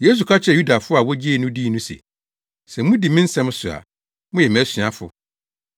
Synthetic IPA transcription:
je˦s̬u˨kʰa˦t͡ɕʰɛ˨ju˦da˨fʊ˦a˨wɔ˦d͡ʑi˦e˦˨nʊ̃˦diː˦nũ˦sɛ̰˨ | sɛ˨mʊ̃˦di˨mĩ˦n̩˦sɛ̃˦m˦sʊ˨a̰˨ | mʊ̃˦jɛ˨m˨æ˦sɥa˨fʊ̰˨

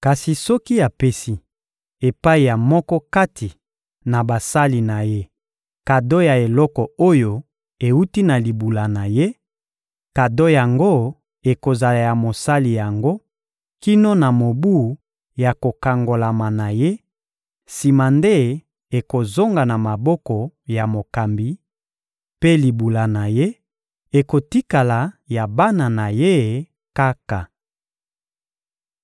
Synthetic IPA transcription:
ka˨si˨sɔ˦ki˦a˨pe˦si˦ | e˨pa˦i˨ja˨mɔ˦kɔ˦ka˦tʰi˨ | na˨ba˨sa˦li˨na˨je˦ | ka˨do˦ja˨e˨lɔ˦kɔ˨o˦jo˦ | e˨u˦ti˦na˨li˨bu˨la˨na˨je˦ | ka˨do˦ja˨ŋɡo˦ | e˨ko˨za˨la˨ja˨mo˨sa˦li˨ja˨ŋɡo˦ | ki˦no˦na˨mo˨bu˦ | ja˨ko˨ka˨ŋɡo˨la˨ma˨na˨je˦ | si˨ma˨nde˦ | e˨ko˨zo˦ŋɡa˨na˨ma˨bɔ˦kɔ˨ja˨mo˨ka˨mbi˨ | pe˦li˨bu˨la˨na˨je˦ | e˨ko˨ti˦ka˨la˨ja˨ba˦na˨na˨je˦˨ | ka˦ka˨

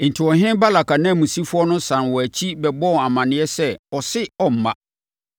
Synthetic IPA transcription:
n̩˨tʰɪ˨ɔ˨ɦɪ̃˦nba˦la˨kʰa˨nã˦˨mũ˨si˦fʊ˦ɔ˦nʊ̃˦sã˨nwɔ˨æ˨t͡ɕʰi˦bɛ˨bɔ˦˨a˨mã˨nɪ̃˨˦ɛ˦sɛ˦ɔ˨sɪ˦ɔ˦m̩˨mã˨

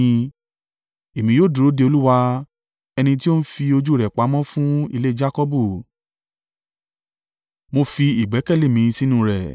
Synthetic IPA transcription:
e˨mĩ˨˦joː˦˨du˨ɾo˨˦de˧o˧lu˦wa˧ | ɛ˧nĩ˧t̬i˦o˦n̩˦fi˧o˧d͡ʒu˦˨ɾɛ˨k͡pa˨˦mɔ̃˦fũ˦i˧le˦d͡ʒa˦kɔ˦bu˦˨ | mo˧fi˧i˨ɡ͡bɛ˨˦kɛ˦˨le˦˨mĩ˨˦˧sĩ˦nũ˦˧˨ɾɛ̰˨

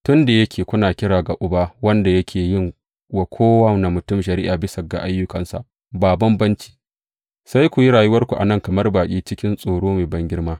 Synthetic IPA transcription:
tʊ˦nda˨jɐ˦kʲeː˨kʷʊ˦naː˨kʲɪ˦ɽaː˨ɡa˨ʔʊ˨baː˦wɐ˦nda˨jɐ˦kʲʰeː˨jɪ˦˨ŋ | wa˨kʷʰoː˦wɐ˦wna˨mʊ˨tʊ˦˨mʃɐ˨ɾi˦ʔaː˨bɪ˦sɐ˨ɡa̰˨ʔa˦jːʊ˦kɐ˨nsa̰˨ʔ | baː˨bɐ˦mbɐ˦nt͡ʃi̥ː˨ | sa˦jkʷu˨ji˦ɽaː˨jʊ˦wɐ˦rkʷu˨ʔa̰˨nɐ˦˨ŋkɐ˨mɐ˦rbaː˨kʲʼiː˦t͡ʃɪ˦kʲɪ˦nsʼoː˨ɽoː˦meː˨bɐ˦ŋɡʲɪ˦rmaː˦

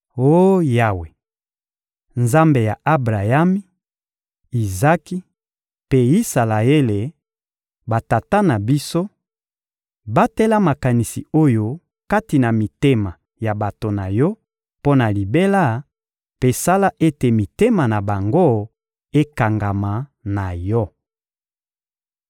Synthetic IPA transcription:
o˦ja˦we˨ | nza˦mbe˨ja˨ʔa˦bʁa˨ja˦mi˦ | i˨za˦ki˦ | pe˦i˦sa˨la˨e˦le˨ | ba˨ta˨ta˦na˨bi˦so˦ | ba˦tɛ˦la˦ma˨ka˨ni˨sḭ˨o˦jo˦ | ka˦ti˨na˨mi˨te˦ma˨ | ja˨ba˨to˨na˨jɔ˦ | po˦na˨li˨be˦la˦ | pe˨sa˦la˦ʔe˦te˨mi˨te˦ma˨na˨ba˨ŋɡo˦ | e˦ka˨ŋɡa˨ma˨na˨jɔ˦

